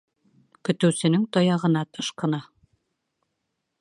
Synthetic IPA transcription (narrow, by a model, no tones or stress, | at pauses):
kɵ̆t̪ɘ̆wsɘ̆nɘŋt̪ɒjɑʁɤ̆nɑt̪ɤʃqɤ̆nɑ